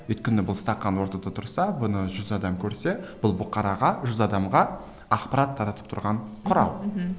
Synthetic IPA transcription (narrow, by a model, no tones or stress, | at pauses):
wɵjt̪̚kʲɪnɪbʊlˠst̪ɑqːɑnwo̞ɾt̪ɑd̪ɑt̪ʰʊɾsɑbʊnəʒʏzɑd̪ɑmkʲʰɵɾse̞b̥ʊlˠbʊqɑɾɑʁɑʒʏzɑd̪ɑmʁɑ | ɑqpɑɾɑt̪ʰːɑɾɑt̪ə̥p̚t̪ʰʊɾʁɑɴqʰʊɾɑ̰lˠ